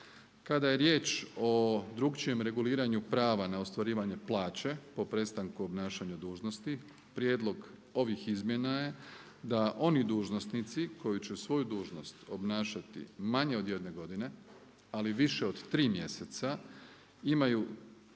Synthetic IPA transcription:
kad̪aje̞ɾje̞ːt͡ʃo̞d̪ɾuɡt͡ʃije̞mɾe̞ɡuliːɾaɲupɾaːʋanaost̪ʋaɾiːʋaɲe̞plˠaːt͡ɕe̞po̞pɾe̞t̪st̪aŋkuo̞bnaːʃaɲad̪uːʒnost̪i | pɾje̞ːd̪lˠo̞ɡ | o̞ʋixizmjenaje̞ | d̪aʔo̞nid̪uːʒno̞snit̪siko̞jut͡ɕesʋo̞jud̪uːʒno̞st̪o̞̰bnaːʃat̪ḭmaɲe̞o̞d̪je̞d̪ne̞ɡo̞d̪ine̞ | aliʋiʃe̞o̞d̪t̪ɾiːmje̞set̪sa | imaju

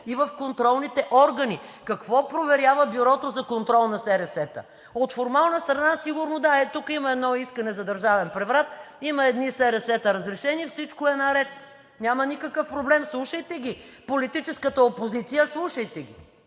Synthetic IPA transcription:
ivəfkont̪ɾɔlˠnit̪ɛʔɔɾɡɐnikɐkvɔpɾovɛɾʲjavəbuɾɔt̪ozɐkont̪ɾɔlˠnɐsɛɾɛsɛt̪ə̰ | ot̪foɾmalˠnəst̪ɾɐnasiɡʊɾnod̪aɛt̪ukimɐɛd̪nɔiskɐnɛzɐd̪ɐɾʒavɛnpɾɛvɾat̪imɐɛd̪nisɛɾɛsɛt̪əɾəzɾɛʃɛnifsit͡ʃkʊɛnɐɾɛt̪ | nʲamənikɐkəfpɾoblɛmslˠuʃəjt̪ɛɡ̟ʲipolit̪it͡ʃɛskət̪əopozit̪sijəslˠuʃəjt̪ɛɡʲi

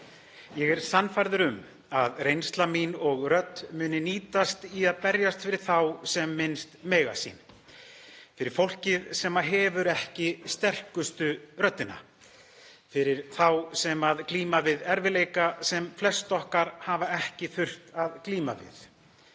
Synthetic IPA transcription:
jɛɣɛɾ̥sanːfajɾðɪɾʏm | aðrejnst̪laminɔɣrœt̪ːmʏːnɪniːt̪ast̪iaðpɛɾjast̪fɪɾɪɾ̥θawsɛmːɪnst̪mɛːjɣa̰sḭːn | fɪɾɪɾ̥fowl̥cɪðsɛːmaɦɛːvʏɾɛhcɪst̪ɛr̥kʏst̪ʏrœt̪ːɪna̰ | fɪɾɪɾ̥θawsɛmaðkliːmavɪðɛɾvɪleːjkasɛmflɛst̪ɔhkaɾ̥havaɛhcɪθʏr̥t̪aðkliːma̰vɪ̰θ

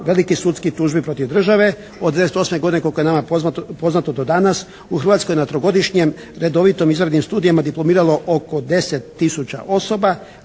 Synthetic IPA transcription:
ʋe̞likisuːt̪skit̪uːʒbipɾo̞t̪iʋd̪r̩ʒaʋe̞ | od̪eeset̪o̞smeɡod̪inekokojnamaopo̞znat̪od̪od̪anas | uxɾr̩ʋat̪skojnat̪ɾoɡo̞d̪iʃɲem | ɾe̞d̪o̞ʋit̪o̞mizʋɾed̪nimst̪uːd̪ijamad̪iplˠo̞miːɾalˠo̞ʔoko̞d̪e̞set̪ːisut͡ɕa̰ʔo̞so̞ba

